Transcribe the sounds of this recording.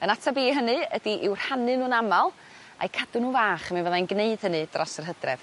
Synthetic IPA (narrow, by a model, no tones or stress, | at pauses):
ənatʰabiːɦənɨədiʔɪwr̥hanɨnuːnamalˠ | a̰jkʰadʊnuːvaːχaminvəðanɡneɨd̥hənɨd̥rɔsərɦədrɛ̰v̥